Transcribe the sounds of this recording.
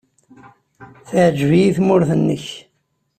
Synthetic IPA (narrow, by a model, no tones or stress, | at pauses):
θəʕd͡ʒvijiθmʊɾθənːəç